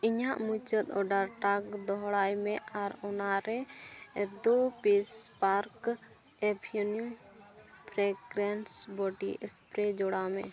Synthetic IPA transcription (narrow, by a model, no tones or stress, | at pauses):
iɲaʔmut͡ʃət̪ɔɖaɾʈakd̪ɔɦɽajmɛʔaɾɔnaɾɛ | d̪opispaɾk | ɛbʰjunju | pʰɾeɡɾɛnsbɔʈiʔɛspɾɛd͡ʒɔɽamɛ̰